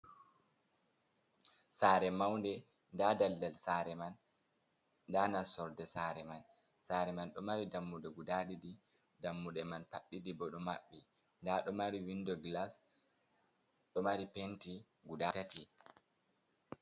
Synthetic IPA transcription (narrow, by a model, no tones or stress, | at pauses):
saɾɛmawndɛ | ndadaldalsaɾɛman | danasɔɾdɛsaɾɛman | saɾɛmanɗɔmaɾidamːudɛɡudaɗidi | damːudɛmanpaɗːidibɔɗɔma̰ɓːi | ndaɗɔmaɾiwindɔɡlas | ɗɔmaɾipenti | ɡudatati